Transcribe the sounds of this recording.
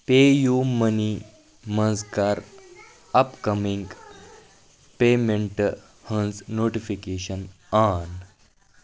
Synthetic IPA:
pejuməni | mə̃nskaɾ | əpkəmiŋɡ | pemẽɳʈ | hə̃nsnoʈifikeɕən | an

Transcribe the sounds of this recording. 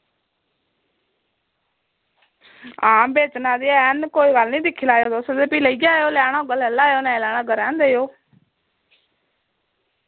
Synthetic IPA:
aːmbeːt͡ʃnãːd̪iːɛːnkoːiːɡəlnĩːd̪ɪkʰːilaːjoːd̪osd̪eːpiːləiɡjaːjoːlaːɽaːɡəlɛlːaːjoːnɛ̃ːlaːɳ̃aːɡəɾãːnd̪eːjoː

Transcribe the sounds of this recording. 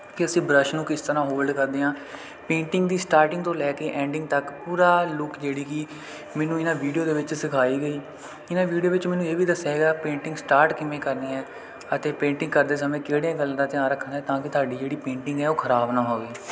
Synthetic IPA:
kɪəsĩːbɾəʃnũːkɪst̪əɾãːɦoːlɖkəɾd̪eːɦãː | pẽːɳʈɪŋɡd̪iːsʈaːɾʈɪ̃ŋɡ̚t̪õːlɛːkeːʔɛ̃ːɳɖɪ̃ŋɡ̚t̪əkpuːɾaːlʊkd͡ʒeːɽiːki | mɛ̃ːnũːɪnãːʋiːɖijoːd̪eːʋɪt͡ʃsɪkʰaːiːɡəiː | ɪnaːʋiːɖijoːʋɪt͡ʃmɛ̃ːnũːeːʋiːd̪əsɛːɡaːpẽːɳʈɪŋɡsʈaːɾʈkɪmẽːkəɾneːɛː | ət̪eːpẽːɳʈɪ̃ŋɡkəɾd̪eːs̬əmẽːkeːɽeːãːɡəlːd̪aːt̪ɪãːɾəkʰːənd̪aɛːt̪ãːkɪt̪ʰaːɖiːd͡ʒeːɽiːpẽːɳʈɪŋɡɛːoːkʰəɾaːbnãːɦoːɡiː

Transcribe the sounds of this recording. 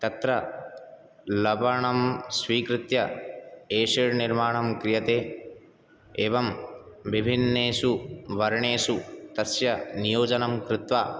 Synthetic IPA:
t̪ɐt̪ɾɐ | lɐbʱɐɳɐmsʋiːkɾɪt̪jɐ | eːʂiɾniɾmaːɳɐmkɾijɐt̪eː | eːʋɐmʋibʱinːeːʃuʋɐɾɐɳeːsut̪ɐsjɐnijoːd͡ʒɐnɐmkɾɪt̪ʋaː

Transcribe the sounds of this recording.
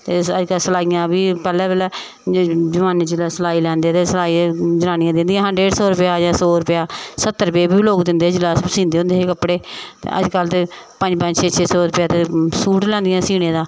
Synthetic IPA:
t̪eːəd͡ʒkəlsəlaːijãːbiːpɛːlɛːbəːlɛː | d͡ʒəmaːneːd͡ʒɪlɛːsəlaːiːlɛːnd̪eːt̪eːsəlaːiːd͡ʒənaːñɪjãːd̪ɪnd̪ɪjãːɦə̃ɳɖɾeːɖsɔːɾʊpɪjaːd͡ʒãːsoːɾʊpjaːsət̪ːəɾpeːbiːbloːkd̪ɪ̃nd̪eːd͡ʒɪlaːsbiːsĩːnd̪eːɦõnd̪eːɦeːkəpɽeːt̪ḛːə̰d͡ʒkəlt̪eː | pəɲd͡ʒpə̃ɲd͡ʒt͡ʃʰeːt͡ʃʰeːsɔːɾʊpjaːt̪eːsuːʈlɛ̃ːnd̪ɪjãːsiːñeːd̪aː

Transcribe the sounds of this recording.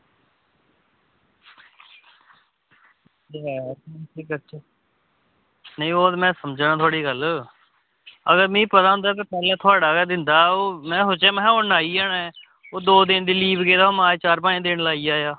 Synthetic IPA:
ɛːsiːkət͡ʃʰː | nəĩːoːd̪mɛ̃ːsəmd͡ʒnãːt̪ʰoaːɽiːɡəl | əɡəɾmĩːpət̪aːʊ̃nd̪aːt̪̬aːpɛːlɛ̃ːt̪ʰoaːɽaːkɛːd̪ɪnd̪aːoːmɛ̃ːɦʊt͡ʃɛːmɛ̃ːonaːiːaːnaɛ | oːd̪oːd̪ɪnd̪iːliːbɡeːd̪aːmaːt͡ʃaːɾpãːd̪ɪnlaːiːaːjaː

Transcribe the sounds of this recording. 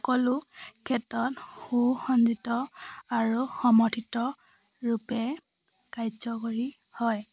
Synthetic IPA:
ɔkɔlukʰɛtɔtxuxɔnzitɔaɹuxɔmɔtʰitɔ | ɹupɛ | kajzɔkoɹi | hɔj

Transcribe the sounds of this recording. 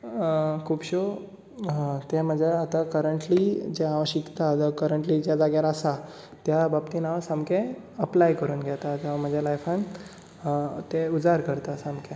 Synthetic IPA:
kʰuːpɕo | t̪em̤əd͡ʑʱjaːt̪akəɾəɳʈlid͡ʑeaʋəɕikt̪ad̪akəɾəɳʈliːd͡ʑjad͡zaɡjaɾasa | t̪jababt̪iːnaʋasamkẽ | əplajkəɾuːnɡʱjɛt̪at̪aʋam̤əd͡ʑʱjalajfãn | t̪eud͡zaɾkəɾt̪asãmke

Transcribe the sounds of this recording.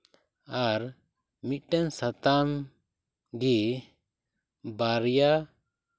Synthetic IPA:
aɾ | mit̪̚ʈɛnsat̪am | ɡi | baɾja

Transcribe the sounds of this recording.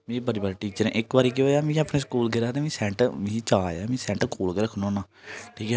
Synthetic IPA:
mẽːbəɾiːbaɾeʈiːt͡ʃəɾ̃ʔɪkbaːɾiːkeoːjaːmĩːapneːskuːlɡeɾaːt̪eːmĩːsɛ̃ːɳʈmĩːt͡ʃaːaːmĩːsɛ̃ːɳʈkuːlɡəːɾkʰnõːnãː | ʈʰiːkɛː

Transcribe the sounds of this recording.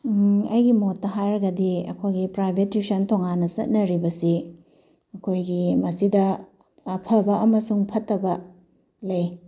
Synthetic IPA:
ɐjɡimotːɐɦajɾɐɡɐdiɐ̰kʰojɡipɾajbʱetːusɐntoŋanːɐsɐ̰t̚nɐɾibɐsi | ɐkʰojɡimɐsidɐː | pʰɐbɐʔɐmɐsuŋpʰɐtːɐbɐ | lɐj

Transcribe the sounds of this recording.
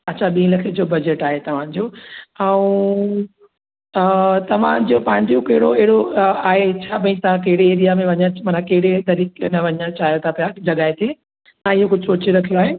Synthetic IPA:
ɐtːt͡ɕʰaɓĩːlɐkʰed͡ʑoːbɐd͡ʑeʈaːɦet̪ɐʋ̤ãd͡ʑoːɛ̃ũ | t̪ɐʋ̤ã̰d͡ʑopɐ̃ɦɪ̃ɲd͡ʑokɐɦɪɽoɛɦɪɽoaːɦet͡ɕʰaːbɐ̃ĩt̪ɐãkɐɦɪɽeːɾijamẽʋɐɲamɐnakɐɦɪɽed̪ɐɾiːknɐʋɐɲat͡ɕaːɦijot̪ʰapɐjad͡ʑɐɠaːet̪ʰe | t̪ãːɪɦokʊd͡ʑʱɪsoːt͡ɕeɾɐkʰijoaːɦe

